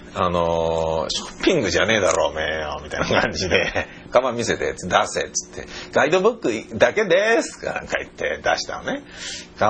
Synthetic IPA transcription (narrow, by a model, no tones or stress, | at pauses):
anoɕo̥pʲːĩŋɡɯ̟ʑane̞ːd̪aɾo̞ːmejomʲit̪ainakʰãɲ̟d͡ʑid̪e̞ | kamamʲise̞t̪et͡sɨ̥d̪aset͡sɨ̥t̪ʰːe̞̰ɡ̥aid̪o̞bɯ̟kːɯ̟d̪ake̞d̪e̞sɨ̥ka̰nã̰ŋkait̪ʰːe̞̰d̪aɕi̥t̪a̰ne̞ka